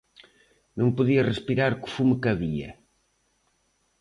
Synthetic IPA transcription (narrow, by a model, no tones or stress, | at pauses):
nõŋpuðiɐrespiɾaɾku̥fumkɐβiɐ̰